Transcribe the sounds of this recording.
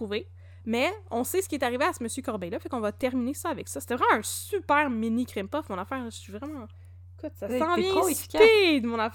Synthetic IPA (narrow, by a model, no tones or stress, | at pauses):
uve | mɛɔ̃sesə̥kʲiet̪aʁiveasəməsjøkɔʁbɛjlʌfɛkɔ̃vat̪ɛʁminesʌavɛksʌse̥t̪ɛvʁɛmɑ̃ɛ̃sypɛːʁminikʁimpɔfmɔ̃nafæːʁʒəivʁɛmɑ̃ | kut̪sasɑ̃vjɛ̃ed̪əmɔ̃naf